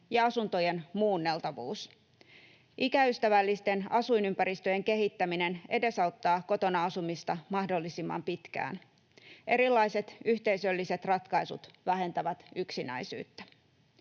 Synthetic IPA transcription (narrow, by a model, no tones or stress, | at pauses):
jɑɑsunt̪o̞je̞nmuːnːe̞lt̪ɑʋuːs | ʔikæyst̪æʋælːist̪e̞nɑsuinympæɾist̪ø̞jeŋke̞ɦit̪ːæmine̞nʔede̞sɑwt̪ːɑːko̞t̪o̞nɑɑsumist̪ɑmɑhdo̞lːisimːɑ̰mpit̪kæ̰ːn | ʔe̞ɾilːɑise̞t̪yht̪e̞isø̞lːise̞t̪rɑt̪kɑisṵt̪ʋæɦe̞nt̪æʋæt̪yksinæ̰isy̰ːt̪ːæ̥